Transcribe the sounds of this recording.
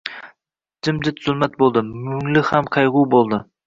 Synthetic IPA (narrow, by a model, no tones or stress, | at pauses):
d͡ʒɪmd͡ʒɪt̪ʰz̥ʊlˠmɛt̪̚bolˠd̪ɨmʉŋlɪhæmqʰɑjʁuwbolˠd̪ɨ